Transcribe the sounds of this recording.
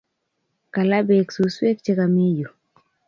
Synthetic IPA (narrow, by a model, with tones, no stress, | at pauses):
ka˨la˦be˨ksu˨swe˦k̚t͡ʃe˦ka˨mi˦ju˨